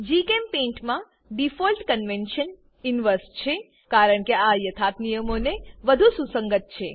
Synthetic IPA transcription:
d͡ʒikempẽɳʈmã | ɖifolʈkənʋenʃən | inʋəɾst͡ʃʰe | kaɾəɳkeajət̪ʰat̪nijəmoneʋəd̪ʱususə̃ŋɡət̪̚t͡ʃʰe

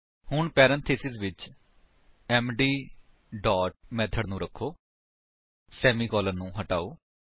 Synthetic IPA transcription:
hʊɳpɛːɾə̃nt̪ʰeːsɪzʋɪt͡ʃ | ɛːmɖiː | ɖɔːʈ̚mɛ̃ːt̪ʰəɽnũːɾəkʰːoː | sɛːmiːkɔːləɾnũːɦəʈa̰ːoː

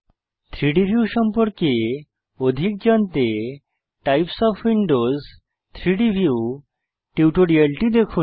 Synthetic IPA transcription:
t̪ʰɾiɽiʋʱjusəmpəɾke | od̪ʱik̚d͡ʑənt̪e | ʈajpsɔfʋiɳɖoz | t̪ʰɾiɖiʋʱjuw | ʈiwʈʰoɾielʈid̪ekʰuː

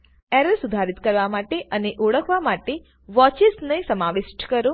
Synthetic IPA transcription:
ɛɾəlsud̪ʱaɾit̪kəɾʋamaʈeʔəneʔoɽəkʰʋamaʈe | ʋɔt͡ʃisnəĩsəmaʋɪʃʈkəɾo

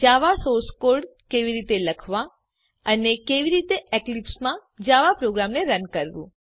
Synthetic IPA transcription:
d͡ʒaʋasoɾskoɾɖkeʋiɾit̪eləkʰʋa | ənekeʋiɾit̪eʔeklipsmãd͡ʒaʋapɾoɡɾamneɾənkəɾʋṵ̃

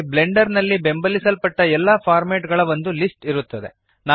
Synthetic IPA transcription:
ble̞ɳɖɐɾnɐlːibe̞mbɐlisɐlpɐʈːɐɛlːɐpʰaːɾmeːʈɡɐɭɐʋond̪ulisʈiɾut̪ːɐd̪e | naː

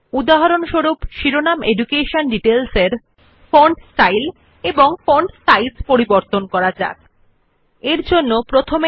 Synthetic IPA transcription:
ud̪aɦaɾonʃoɾupʃiɾonamʔeɖukeʃonɖiʈelseɾ | foɳɖsʈajl | eboŋfoɳɖsajspoɾiboɾt̪onkɔɾad͡ʑa̰k̚ | eɾd͡ʑonːopɾot̪ʰome

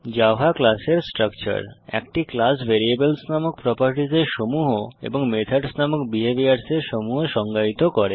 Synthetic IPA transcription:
d͡ʑafaklaseɾsʈɾakt͡ɕa̰ɾɛ̰kʈiklasbʱeɾiebelsnamok̚pɾɔpaɾʈizeɾʃomuɦoḛboŋmet̪ʰaɖsnamokbiebiaɾseɾʃomuɦoʃɔŋɡait̪okɔɾe

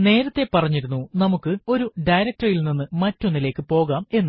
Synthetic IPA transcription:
ne̞ːɾɐt̪ːe̞pɐrɐɲːiɾunːunɐmukːɨo̞ɾuɖɐjɾɐk̚tɐrilninːɨmɐtːonːile̞ːkːɨpo̞ːɣaːme̞nːu

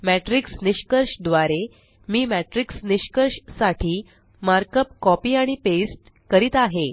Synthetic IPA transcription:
mæʈɾiksniɕkəɾʂd̪ʋaɾe | miːmæʈɾiksniɕkəɾʂsaʈʰiː | maɾkəp̚kɔpiːaɽ̃ipesʈ | kəɾiːt̪aɦe

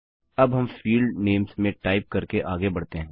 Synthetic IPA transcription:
ɐbɦɐmfiːlɖneːmsmẽʈaːɪp̚kɐɾkeʔaːɡebɐɽ̤t̪eɦɛ̃ː

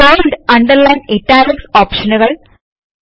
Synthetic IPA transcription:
ojɳɖɐɳɖɐɾlɐjneʈːaːɾɐksoːpʂɐnuɣɐɭ

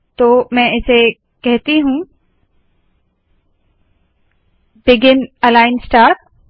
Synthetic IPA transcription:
t̪oːmɛ̃ɪse | kɛɦt̪iɦũ | bɪɡɪnɐlaːɪnsʈaːɾʈ

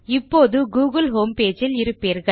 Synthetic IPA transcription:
ɪpːoːðɯɡuːɣɐlɦoːmpeːd͡ʒɪlɪɾɯpːeːɾɣɐ

